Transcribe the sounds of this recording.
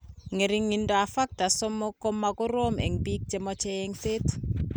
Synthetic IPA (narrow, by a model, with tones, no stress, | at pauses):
ŋe˨ɾi˦ŋːi˨ndɔ˨a˨fa˦k̚ta˨so˦mːo˦ko˦mːa˨ɡʊ˦ɾo˦mḛ˨ŋbi˦k̚d͡ʒe˦mɔ˦t͡ʃe˦je˦ŋse˦t